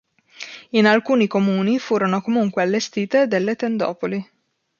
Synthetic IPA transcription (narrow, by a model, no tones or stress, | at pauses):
inalkuːnikomuːnifuːɾonokomuŋkwealːest̪iːt̪ed̪elːet̪end̪ɔ̰ːpoli